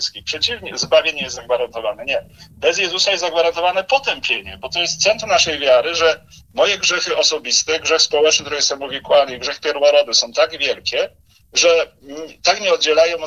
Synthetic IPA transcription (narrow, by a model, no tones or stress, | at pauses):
skʲipʂɛt͡ɕivɲɛzbavʲeɲɛjɛst̪zaɡvaɾant̪ɔvanɛɲɛbɛzjɛzusajɛst̪zaɡvaɾant̪ɔvanɛpɔt̪ɛmpʲjeɲɛbɔt̪ɔjɛst̪t̪sɛnt̪ɾunaʂɛjvʲjaɾɘʐɛ | mɔjɛɡʐɛxɘʔɔsɔbʲist̪ɛɡʐɛxspɔwɛt͡ʂnɘkt̪ɾɛjɛssamɔvʲikwalnɛiɡʐɛxpʲjɛɾwɔɾɔbɘsɔ̃w̃t̪aɡvʲjɛlkʲɛ | ʐɛ | t̪akɲɛɔd̪̚d͡ʑɛlajɔ̃w̃